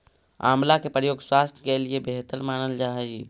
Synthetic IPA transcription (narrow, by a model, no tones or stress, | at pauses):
a̰mlakepɾəjoɡswast̪ʰjəkeliebeɦt̪əɾmanəld͡ʒaɦɛj